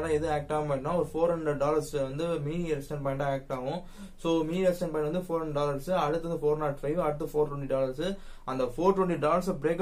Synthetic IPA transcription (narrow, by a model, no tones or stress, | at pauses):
ɽãːɛðɯeːk̚ʈaːmaːʈnːãːɔɾɯfoːɾhɐɳɖɾɛɖ̚ɖaːlɐɾsʋɐnd̪ɯmiːniɛɾɛksʈɛ̃ɳpɐɪɳʈãːeːk̚ʈaːʋʊ̃ | soːmiːniɛsʈɛ̃npɐːɪ̃ɳɖʋɐnd̪ɯfoːɾɦɐɳɳɖɖaːlɐɾsɯɐɽɯt̪ːɐnd̪ɯfoːɾnaːʈfɐɪʋɐɽɯt̪ːɐfoːɾʈwɐɳʈiɖaːlɐɾsɯʔɐnd̪ɐfoːɾʈwɛɳʈiɖaːlɐɾs̬bɪɾeːk